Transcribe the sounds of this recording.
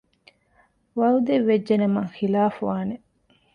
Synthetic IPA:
ʋɐud̪eʋːed͡ʒːenemɐŋxilaːfuʋaːne

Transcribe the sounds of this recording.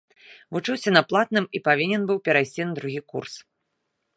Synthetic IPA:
vut͡ʂɨwsʲɐnaplˠat̪nɨmipavʲinʲɛnbɨwpʲɛɾajsʲt͡sʲinɐd̪ɾuɣʲikṵrs

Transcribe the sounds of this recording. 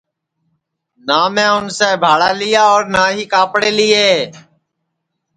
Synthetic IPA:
naːmẽːʊnseːbʱaːɽaːlɪjaːɔːɾnaːɦiːkaːpɽeːlɪːeː

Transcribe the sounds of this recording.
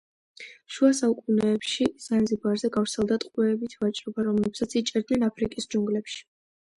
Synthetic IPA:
ʃuasaukʼunɛːpʃiz̥anzibaɾzɛɡafɾt̪sʰɛlˠd̪at̪ʼqʼwɛːbit̪ʰvat͡ʃʼɾɔbaɾɔmlɛbsat̪sʰit͡ʃʼɛɾd̪nɛnapʰɾikʼisd͡ʒuŋɡlɛpʃi̥

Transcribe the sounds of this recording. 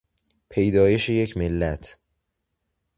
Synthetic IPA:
pʰe̞jd̪ɒːje̞ʃeje̞cʰmelːæt̪ʰ

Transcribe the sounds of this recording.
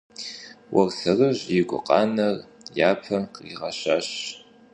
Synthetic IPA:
wʔɐrsɐrɨʑjɪɡʷʊ̰qɑ̰ːnɐrjaːpʰɐqiːʁɐɕaːɕ

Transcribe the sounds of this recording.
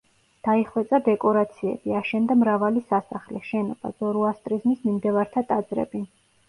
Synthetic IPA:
d̪̥aiχwɛt̪sʼad̪ɛkʼɔɾat̪sʰiɛ̰biaʃɛnd̪amɾavalisasaχlɛʃɛnɔb̥a̰zɔɾuast̪ʼɾizmismimd̪ɛvaɾt̪ʰat̪ʼad̪zɾɛ̰bi

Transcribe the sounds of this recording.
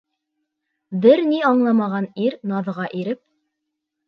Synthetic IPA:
bɘɾniɑɴlˠɑmɑʁɑniɾnɑðʁɑʔiɾɘp̚

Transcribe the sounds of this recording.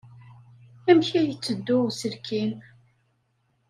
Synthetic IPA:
æmçæjət͡sːəd̪ːʊsəlkʰin

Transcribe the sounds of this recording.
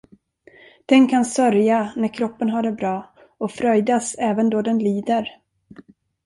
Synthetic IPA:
d̪̥ɛnkʰansœɾjanæɾkʰɾɔpːənɦaɖɛbɾɑː | ɔfɾœjd̪asɛːvənd̪ɔd̪ɛnliːd̪əɾ

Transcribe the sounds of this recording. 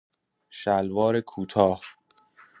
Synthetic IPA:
ʃælvɒːɾekʰuːt̪ʰɒːh

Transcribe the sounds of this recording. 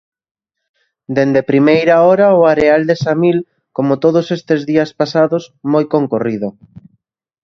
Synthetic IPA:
d̪end̪epɾimejɾaɔɾaoaɾeald̪esamil | komot̪oð̞osest̪ezðiɐspasaðosmojkoŋkoriðo

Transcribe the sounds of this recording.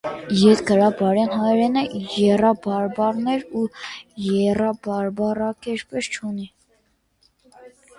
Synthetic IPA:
jɛt̪ɡəɾɑbɑɾɛnɦɑjɾɛnəjɛrɑbɑɾbɑɾnɛɾujɛrɑbɑɾbɑrɑkɛʃpɛst͡ʃʰuni

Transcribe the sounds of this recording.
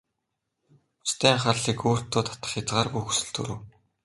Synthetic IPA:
t͡ɕt̪ʰæːɴχarɮiːkoːr̥t̪ːʊːt̪ʰḁt̪ə̆χjat͡sʁaːrɣujxusɘ̆ɮt̪ʰɵ̰ɾŭw

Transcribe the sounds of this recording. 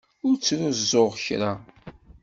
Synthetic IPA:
ʊɾt͡sːnuzzˤoʁçɾa

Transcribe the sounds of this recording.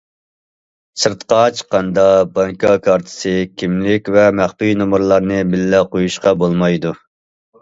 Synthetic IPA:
sɨɾt̪qɑt͡ʃʰə̥qɑnd̪ɑbɑŋkʰɑkʰɑɾt̪ʰɨ̥sɨkʲʰimlɪkʲvɛmæχpijnomuɾlˠɑɾnɨbɪlːɛqʰojuʃqɑbolˠmɑjd̪u

